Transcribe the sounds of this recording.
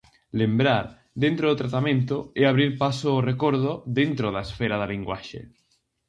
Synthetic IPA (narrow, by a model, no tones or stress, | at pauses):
lembɾaɾ | ðẽnt̪ɾoðot̪ɾat̪amẽnt̪oeaβɾiɾpasoːrekoɾðoðent̪ɾoðaesfeɾaðaliŋɡwaʃḛ